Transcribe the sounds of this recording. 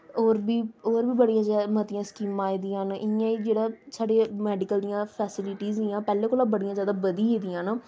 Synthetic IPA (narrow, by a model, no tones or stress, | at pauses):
oːɾbiːoːɾbiːbəɽijãːzaːmət̪ɪjãːskiːmãːiːd̪ijãːnɪjãːiːd͡ʒeːɽaːsaːɖeːmɛːɖɪkəld̪ijãːpʰɛːsɪlɪʈiːzd̪ijãːpɛːlẽːkoːlãːbəɽijãːzjaːd̪aːbəd̪iɦeːd̪ijãːnaː